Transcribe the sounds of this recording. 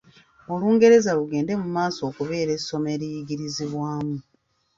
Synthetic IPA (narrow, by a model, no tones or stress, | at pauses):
o̞luːŋɡe̞ɾe̞zaluɡe̞ːnde̞mumaːso̞ːkuβe̞ːɾe̞so̞me̞ɾijiɡiɾiziβwaːmu